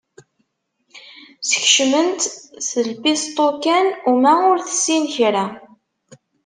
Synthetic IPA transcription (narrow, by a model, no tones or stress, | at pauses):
sə̥çʃmənt̪səlpist̪ˤokænumæʊɾθə̥sːinçɾæ